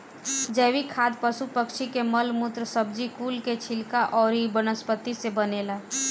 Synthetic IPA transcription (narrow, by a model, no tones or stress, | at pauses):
d͡ʒəːʋikʰaːd̪pəsupəkʃikeməlmʊt̪ɾəsəb̚d͡ʒikuːlket͡ʃʰɪlkaʔɔːɾibənəspət̪ːisebəneːlaː